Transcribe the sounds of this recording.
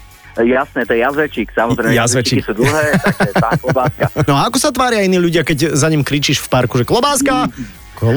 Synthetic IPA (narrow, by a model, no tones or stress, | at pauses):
jasnɛt̪ɔjɛjazʋɛt͡ʃiksamɔzɾɛjazʋɛt͡ʃikisuːd̪ll̩ɦɛːt̪ɛt̪aklɔbaːskanɔaakɔsat̪ʋaːɾjainiːʎuɟɪakɛɟzaɲimkɾiːt͡ʃiːʃfpaɾkuʒɛklɔbaːska | k